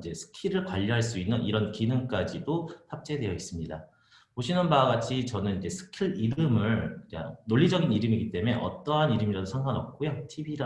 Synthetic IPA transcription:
d͡ʑe̞sʰɯ̥kʰiɾɯɭkwaʎːiɦaɭs̬͈uinːɯniɾʌnkinɯŋk͈ad͡ʑidohap̚t͡ɕ͈e̞dwe̞jʌis͈ɯmɲida | oɕʰinɯnbaɡat͡ɕʰit͡ɕʌnɯnid͡ʑe̞sʰɯ̥kʰiɾiɾɯmɯɭka̰noʎːid͡ʑʌɡiniɾɯmiɡit͈e̞me̞ʔʌ̰t͈ʌɦaniɾɯmiɾadosʰaŋɡanʌp̚k͈ojotʰibiɾa

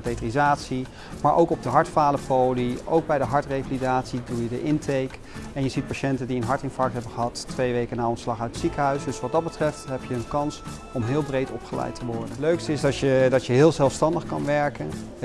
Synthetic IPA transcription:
detrizaːtsi | maːɹʔowkɔb̚dəɦɑɹtfaːləfowlio̰wɡ̚bɛjdəɦɑɹtrejfalidaːtsidulˠjədəʔɪntejk | ɛnjəzit̚paːʃɛntəndiənɦɑɹtɪnfɑktɦɛbənχəɦɑtːʋejʋejkənaɔnslɑχœɥtətsikəɦœɥsdɵsʋɑt̚dɑd̚bətrɛftɦɛpjəːnkɑns | ɔmɦɪːlˠbrejtɔpχəlɛ̰jtəʋɔɹdənløɥkstɪzdɑtjədɑtjəɦɪːlˠzɛlˠfstɑndəχkɑ̰nʋɛɹkən

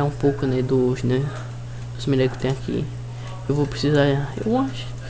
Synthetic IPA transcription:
aũpowkʊnɛd̪ʊʃnɛ | ʊsmilɛɡʊ̥t̪ẽakʰḭ | ewvopɾesizaɾaḛwãʃ

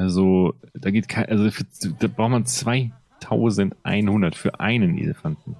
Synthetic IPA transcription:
ʔalzod̥aːɡeːt̚kʰaɪʔalzofyːɐd̥aːbʁaʊxtmant͡sv̥aɪ | tʰaʊzəntʔa̰ɪnhʊndɐtfyːɐʔa̰ɪnənʔḛləfantn̩

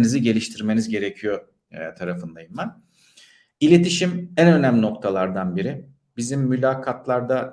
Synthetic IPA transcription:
niziɟe̞lʲiʃt̪ʰiɾme̞nizɟe̞ɾecʰijo̞ | t̪ʰaɾafɯnd̪ajɯnbæn | ilʲe̞t̪ʰiʃimænø̞næmlʲino̞k̚t̪ʰalˠaɾd̪anbiɾi | bizimːylʲaːkʰat̪lˠaɾd̪a

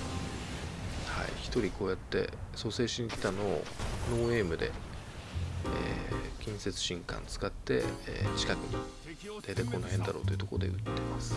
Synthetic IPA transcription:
ha̰ḭçi̥t̪o̞ɾʲikʰo̞ːjat̪ːe̞̰so̞se̞ːɕiɲ̟ikʲi̥t̪ano̞̰ːnoːe̞ːmɯ̟d̪e̞̰ | ḛkʲĩɰ̃se̞t͡sɨ̥ɕĩŋkã̰nt͡sɨ̥kat̪ːe̞̰ːt͡ɕi̥kakɯ̟ɲ̟ḭ | d̪ajt̪aiko̞nːohẽ̞nd̪aɾo̞̰ːt̪o̞iɯ̟t̪o̞kood̪ḛɯ̟t̪ːe̞masɨ̥

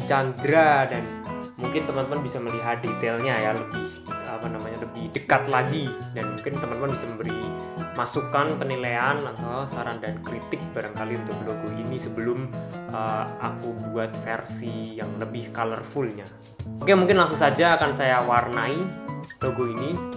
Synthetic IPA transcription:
t͡ʃand̪ɾadanmuŋkɪnt̪əmant̪əmanbisaməliɦat̪̚det̪elɲajaləbɪh | əmənamaɲaləbɪhdəkat̪̚laɡidanmuŋkɪnt̪əmanəmanbisaməmbəɾi | masukanpənileanat̪asaɾaŋdankɾit̪ɪk̚baɾaŋkaliunt̪ʊk̚loɡɔinisəbəlʊm | ʔəa̰kubuat̪̚fɛrsijaŋləbɪhkalərfʊlɲa | akaamuŋkɪnlaŋsuŋsad͡ʒaːkansajawarnaid̥oɡɔini

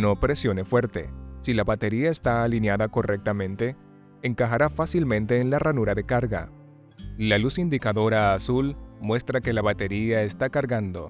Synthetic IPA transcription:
no̞pɾe̞sjo̞ne̞fwe̞ɾt̪e̞̰silaβat̪e̞ɾiaest̪aːlinjaðako̞rʔek̚t̪amẽ̞nt̪e̞ː | ŋkaxaɾafasilmẽ̞nt̪e̞ːnlaranuɾaðe̞kaɾɣa̰ | lalusind̪ikaðo̞ɾaːsulmwe̞st̪ɾake̞laβat̪e̞ɾiaest̪akaɾɣand̪o̞̰

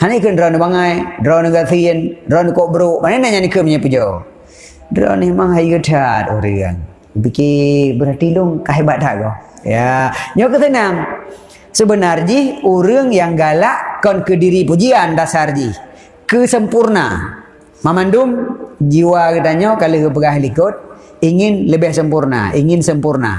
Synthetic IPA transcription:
hanikəndɾɔnibaŋajdɾɔnuɡat̪iəndɾɔnikɔʔbəɾuʔmananaɲanikəmɲapud͡ʒɔ | dɾɔ̰nemaŋɦajɡətʰat̪ṵɾɨ̰ŋ | əpikibəɾat̪iluŋkaɦebaʔ̚t̪aʔɡɔjaɲɔkət̪ənaŋ | səbənard͡ʒihuɾəŋjaŋɡalaʔkɔnkədiɾipud͡ʒiandasard͡ʒih | kəsəmpurna̰ | mamandʊmd͡ʒiwakət̪aɲɔʔkaləkəp̬əɡaɦilikʊt̪̚ | iŋɪnləbɪhsəmpurna̰ʔiŋɪnsəmpurna̰

